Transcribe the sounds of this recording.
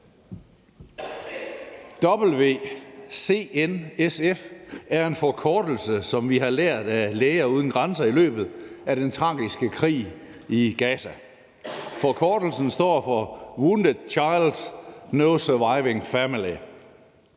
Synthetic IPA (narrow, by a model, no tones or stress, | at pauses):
d̥ɒ̽b̥l̩ʋe̝̰ːse̝̰ːenesefæɐe̝nfɒkʰɒːd̥l̩səsɒ̽mʋiɦɑ̈leɐ̰d̥æleɪɐuːð̞ˠn̩ɡ̥ʁɑnsɐilø̰ːb̥ð̩ˠæɾ̥ent͡sʰʁɑ̈ːɡisɡ̥əkʰʁḭː | iɡ̥ɛːsæ | fɒkʰɒːd̥l̩sn̩sd̥ɒ̰ːfɒwund̥əðˠt͡ɕʰɑ̈ɪld̥snoʊsœʋɑɪʋeŋfæmili